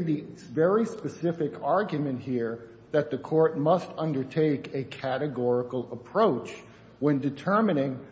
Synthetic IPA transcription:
ðivɛɹispɨsɪfɨkʰɑɹɡjɨmɨ̃nʔ̚hiɹ | ðɨt̪̚ðɨkʰɔɹt̚mʌstʌ̃ndə˞tʰeɪkɨkʰæɾɨɡɔɹəkl̩ˠəpʰɹ̥oʊt͡ʃ | wɨ̃ndɨtʰɜ˞mɨnɪ̃ŋ

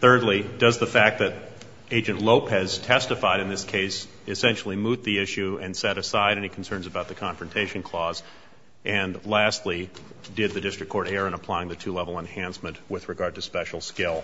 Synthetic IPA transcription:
θɜ˞dˡlidʌzðəfæk̚ðɨɾ | eɪd͡ʒɨ̃nʔloʊpʰɛz̥tʰɛstɨfaɪɾɨ̃nðɪskʰeɪs | ɨsɛ̃nʃl̩ˠimut̪̚ðiɪʃʉɨ̃nsɛɾɨsaɪɾɛñikʰn̩sɜ̃˞nzɨbaʊt̪̚ðɨkʰɑ̃ɱfɹɨ̃ntʰeɪʃɨ̃n̩kʰl̥ɔz | ʔɨ̃nlæstˡli | dɪd̪̚ðɨdɪstɹ̥ɨkʰːɔɹɾɛɹɨ̃ñəpʰl̥aɪɪ̃ŋðɨtʰʉlɛvl̩ˠə̃nhæ̃nsmɨ̃nʔwɪðɹɨɡɑɹd̚tʰɨspɛʃl̩ˠskɪlˠ

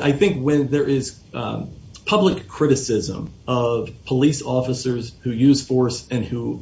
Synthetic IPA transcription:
ʔa̰ɪθɪ̃ŋkwɨ̃nðə˞ʔɪz̥ | pʰʌbləkʰːɹ̥ɪɾɨsɪzə̰̃mʌv̥pʰəlisɔfəsə˞z̥hʉjʉz̥fɔɹsɨ̃nhu

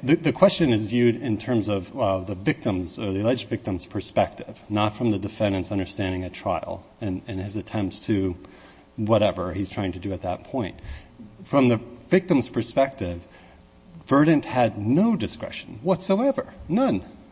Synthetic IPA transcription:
ðɨðɨkʰw̥ɛst͡ʃɨ̃nɨzvjʉɾɪ̃ntʰɜ̃˞mzʌvɛðɨvɪk̚tə̃mzə˞ðiəlɛd͡ʒdvɪk̚tɨ̃mz̥pʰə˞spɛk̚tɪv̥nətfɹʌ̃mðɨdɨfɛ̃ndɨ̃ntsʌ̃ndə˞stæ̃ndɪ̃ŋɨtʰɹ̥a̰ɪl̩ˠ | ɨ̃nɨ̃nɨzɨtʰɛ̃mptstʰɨ | wʌɾɛvə˞iztʰɹ̥aɪɪ̃ŋtʰɨdɨɨt̪̚ðət̚pʰɔ̃ɪ̃nt̚fɹʌ̃mðɨvɪk̚tɨ̃mz̥pʰə˞spɛk̚tɪv̥ | vɜ˞dⁿn̩ʔhɨdⁿnoʊdɨskɹ̥ɛ̰ʃn̩wʌtsoʊɛvə̰˞nʌ̃n

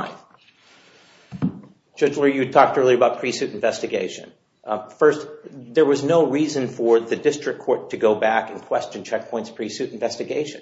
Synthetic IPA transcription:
d͡ʒ̥ʌd͡ʒl̩ˠə˞jɨtʰɔk̚tɜ˞lˠiɨbaʊt̚pʰɹ̥isʉɾ̃ɱvɛstɨɡeɪʃɨ̰̃n | fɜ˞stðə˞wʌznoʊɹizɨ̃nfə˞ðɨdɪstɹ̥ɨkʰɔɹtʰɨɡoʊbækɨ̃nkʰw̥ɛst͡ʃɨ̃nt͡ʃʰɛk̚pʰɔ̃ɪ̃ntspʰɹ̥isʉɾ̃ɱvɛstɨɡeɪʃɨ̃n

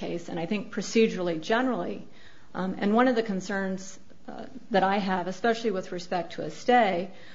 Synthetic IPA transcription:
eɪsɨ̃ñaɪθɪ̃ŋk̚pʰɹ̥ɨsid͡ʒə˞l̩ˠid͡ʒɛnə˞l̩ˠi | ɨ̰̃nwʌ̃nʌvðɨkɨ̃n̩sɜ̃˞nz̥ | ðɨɾaɪɨvɨspɛʃl̩ˠiwɨðɹɨspɛk̚tʰɨɨsteɪ

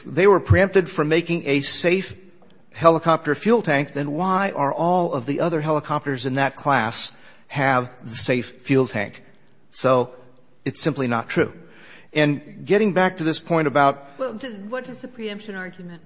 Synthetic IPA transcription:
ðeɪwə˞pʰɹ̥iɛ̃mp̚tɨdfə˞meɪkɪ̃ŋʔɨseɪf | hɛlˠəkʰɑp̚tə˞fjulˠd̚tʰæ̃ŋk̚ðɨ̃nwaɪʔə˞ʔɔlˠʌvðiʔʌðə˞ɦɛlˠəkʰɑp̚tə˞zɨ̃nðɨt̚kʰl̥æs | hɨvðɨseɪfːjilˠtʰæ̰̃ŋk | soʊ | ɨtsɪ̃mplinə̰tʰɹ̥ʉ | ɨ̃nɡɛɾɪ̃ŋbæk̚tʰɨðɪspʰɔ̃ɪ̃ɾ̃ɨbaʊt̚wɛlˠdʌwʌt̚d̥ʌzðɨpʰɹ̥iɛ̃mpʃɨ̃nɑɹɡjmɨ̃nt

